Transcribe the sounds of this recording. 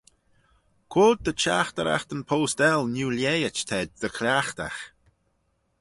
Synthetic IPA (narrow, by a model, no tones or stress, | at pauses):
kʰoːd̪̚d̪ət͡ʃa̰xt̪əɾa̰xt̪ənpʰoːst̪ɛlnuːljejət͡ʃt̪ʰɛd̪̚ðəkʰlʲaxt̪a̰x